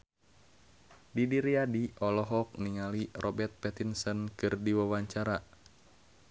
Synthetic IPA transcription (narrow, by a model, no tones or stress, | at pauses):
didiɾiadiʔɔlɔɦɔk̚niŋalirʔɔbɛrt̪̚pɛt̪insənkɨrdiwawaɲt͡ʃaɾa